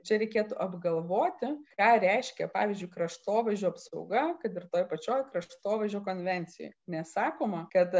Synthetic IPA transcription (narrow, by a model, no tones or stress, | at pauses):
t͡ʃʲɛɾʲɛɪkʲeːt̪ʊʔɐbɡɐlˠʋoːt̪ʲɪkɑːɾʲɛɪʃʲkʲɛpɑːʋʲɪːzʲd͡ʒʊɪkɾɐʃt̪oːʋɐʒʲoːɐpsɐʊɡɐkɐt̪ɪrt̪oːjpɐt͡ʃʲoːjkɾɐʃʃt̪oːʋɐʒʲoːkoːnʲʋʲɛnʲt̪t͡s̪ʲɪjo̰ːjnʲɛssɑːkoːmɐkɐt̪